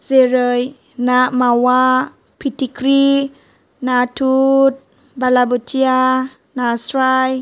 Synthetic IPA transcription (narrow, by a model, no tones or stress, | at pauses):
zeɾəj | namawa | pʰitikɾi | natʰut̚ | balabutʰia | nasɾaj